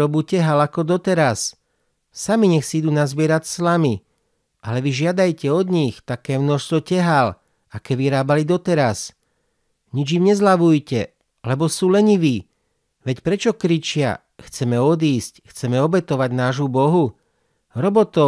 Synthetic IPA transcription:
ɔbucɛɦalakɔd̪ɔt̪ɛɾasː | amiɲɛxsiid̪uːnazbɪɛɾacslami | ʔalɛʋiʒɪad̪ajcɛɔd̪ɲixt̪akɛːmnɔʃst̪ʋɔcɛɦal | akɛʋiɾaːbalid̪ɔt̪ɛɾas | ɲid͡ʒimɲɛzlaʋujcɛ | lɛbɔsuːlɛɲiʋiː | ʋɛcpɾɛt͡ʃɔkɾit͡ʃɪa̰ | xt͡sɛmɛɔd̪iːscxt͡sɛmɛɔbɛt̪ɔʋaɟnaːʒubɔɦu | ɾɔbɔt̪ɔ

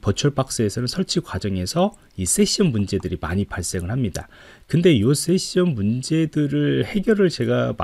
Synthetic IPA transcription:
pʌt͡ɕʰʌɭp͈ak̚s͈eesʰʌnɯnsʰʌɭt͡ɕʰikwad͡ʑʌŋe̞sʰʌ | is͈ʰe̞ɕ͈ʰiʌnmund͡ʑe̞dɯɾima̰ɲipaɭs͈e̞ŋɯɭhamɲida | kɯnde̞jos͈e̞ɕ͈ʌnmund͡ʑe̞dɯɾɯɭhe̞ɡjʌɾɯɭt͡ɕe̞ɡam

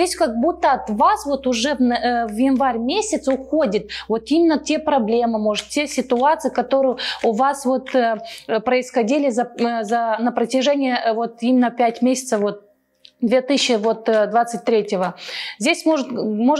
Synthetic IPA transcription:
esʲkɐɡ̚but̪ːəɐt̪vasvo̞t̪ʊʐɛvjɪnvaɾʲmʲesʲɪt̪sʊxodʲɪt̪̚vo̞t̪imʲɪnːətʲe̞pɾɐblʲe̞mɨmo̞ʐɨt̪tʲesʲɪt̪ʊat̪sɨɪkɐt̪o̞ɾɨjʊʊvasvo̞t̪ː | pɾəɪsxɐdʲilʲɪzəzənəpɾətʲɪʐɛnʲɪjəvo̞t̪imʲɪnːəpʲætʲmʲesʲɪ̥t̪səfvo̞t̪̚ | d̪vʲet̪ɨɕːɪvo̞t̪d̪vat̪sɨt̚ʲt̪ɾʲetʲɪvəzʲdʲesʲmoʐɨt̪moʐ

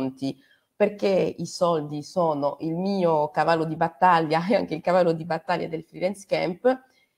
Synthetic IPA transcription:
nt̪i | perkeisɔld̪isoːnoʔilmiːokavalːod̪ibat̪ːaʎːaɛa̰ŋkeilkavalːod̪ibat̪ːaʎːa̰d̪elfɾidɛnskɛmp

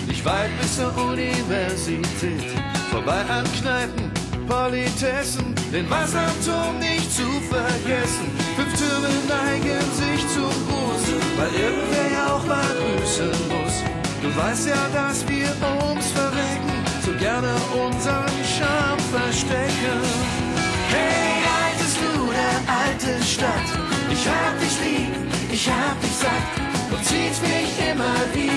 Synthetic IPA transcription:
nɪçtv̥aɪt̚b̥ɪsdoɐʔunivɛɐzitʰɛːtfoːɐbaɪʔanknaɪpn̩pʰɔlitʰɛsn̩d̥ɛnvasamtɔːnnɪçtt͡sufɛɐɡɛsn̩fʏmftʏɐmənaɪɡənzɪçt͡sʊmbuːsəvaɪlʔɪɐɡŋ̩tv̥eːɐjaaʊxmalɡʁyːsənmʊs | d̥uːvaɪstjaːdasv̥iːɐʔʊnsfɛɐvɛkŋ̩ | z̥oːɡɛɐnəʔʊnzəʁənʃaɐmfɛɐʃtɛkən | hɛhatəstd̥uːdeːɐʔaltəʃtat | ʔɪçhaːbədɪçliːb̩ | ʔɪçhaːbədɪçz̥ak̚ | d̥uːt͡siːtmɪçʔɪmɐviː

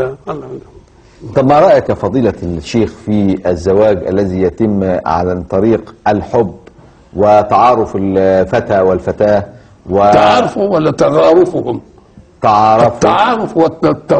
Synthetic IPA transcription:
t̪ˤɑbmːɑɾˤɑːʔjɪkfɑd̪ˤiːlɑʃːeːxfiæzːawaːɡʔa̰lːæziːjæt̪ɪmːʕa̰lat̪ˤɑɾiːqʔalħʊbː | wɪt̪ɑʕɑːɾˤʊfɪlfat̪aːwɪlfat̪aː | wɪaʕɑːɾˤfwalːat̪ɑɣɑːɾˤʊfʊhʊm | t̪ɑʕɑːɾˤɑfːʕɑːɾˤʊfwɪt̪t̪ː

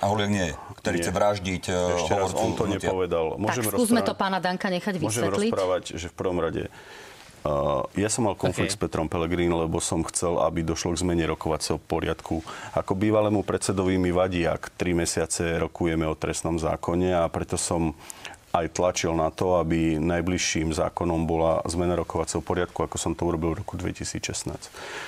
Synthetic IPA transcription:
aɦɔlɪɛɡɲɪɛjɛ | k̪ɛiɛʋɾaʒɟicɛʃcɛɾasɔnt̪ɔɲɛpɔʋɛd̪almʊɔʒɛmɔuzmɛɔpaːnad̪aŋkaɲɛxaɟʋmiɔʒɛɛmɾɔlsipɾaːʋaɟʒɛfpr̩ʋɔmɾaɟɛ̰ | jasɔmːalkɔnflik̚t̪spɛt̪ɾɔmpɛlɛɡɾinlɛbɔsɔmxt͡sɛla̰bid̪ɔʃlɔɡzmɛɲɛɾɔkɔʋat͡sɛɦɔpɔɾɪat̪kʰuakɔbiːʋalɛːmupɾɛt͡sɛd̪ɔʋimiʋaɟiːa̰kt̪ɾimɛsɪat͡sɛɾɔkujɛmɛɔt̪ɾɛsnɔmza̰ːkɔɲɛapɾɛt̪ɔsɔm | ajt̪lat͡ʃilnat̪ɔabinajbliʃːiːmza̰ːkɔnɔmbɔlazmɛnaɾɔkɔʋat͡sɛɦɔpɔɾɪat̪kuakɔsɔmt̪ɔuɾɔbilʋɾɔkud̪ʋɛ̰cisiːt͡sʃɛsna̰ːs

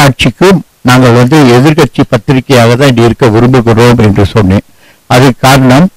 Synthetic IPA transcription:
aːʈ̚t͡ʃɪkːɯm | naːŋɡɐɭʋɐnd̪ɯɛðɪɾkɐʈ̚t͡ʃːipɐt̪ːɪɾɪkːɐjaːɣɐt̪ãːɪiɪɾɯkːɐʋʊɾʊmbɯɣɪɾoːmɛndrɯsɔnːẽː | ɐðɯkaːɾɐɳɐm

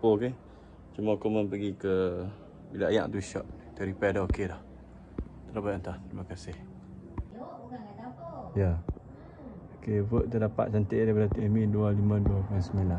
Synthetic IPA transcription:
poke | t͡ʃumakomənpəɡikə | bilaaja̰ʔt̪uʃɔʔ̪̚ | t̪əɾipɛdaokedah | t̪əɾabət̪ənt̪aht̪ɾimakasɪh | ja | okebəʔt̪ədapa̰ʔ̚t͡ʃant̪eʔdɛpadat̪iʔimĩdualimãduapansəmila

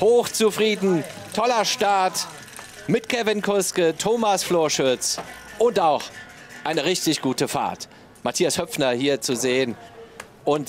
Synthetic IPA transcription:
hoːxt͡sufʁ̥iːdn̩tʰɔlɐʃtaɐt | mɪtkʰɛvɪnkʰʊskətʰoːmasfloːɐʃʊt͡sʔʊntaʊx | ʔaɪnəʁɪçtɪçɡ̥uːtəfa̰ɐt | matʰiːashœpp͡fnɐhiːɐt͡suzeːən | ʔʊnt

